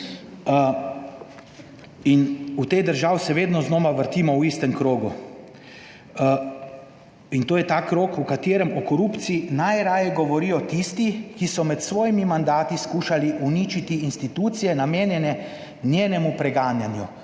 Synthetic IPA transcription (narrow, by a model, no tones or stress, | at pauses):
inut̪ed̪əɾʒaːwsɛʋeːd̪nɔznoːmaʋəɾt̪iːmɔwist̪ɛmkɾoːɡṵ | int̪oːjɛt̪aːkɾoːkukat̪eːɾɛmɔkɔɾuːpt̪siinajɾaːjɛɡɔʋɔɾiːjɔt̪ist̪ikisɔmɛt̪sʋɔːjimimand̪aːt̪iskuːʃaliʔunit͡ʃit̪iːnst̪it̪uːt̪sijɛnameːnjɛnɛ | njeːnɛmupɾɛɡaːnjanju